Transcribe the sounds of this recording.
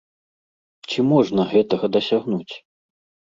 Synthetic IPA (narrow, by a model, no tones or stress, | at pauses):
t͡sʲimɔʐnɐɣɛt̪ɐɣɐd̪ɐsʲaɣnut͡sʲ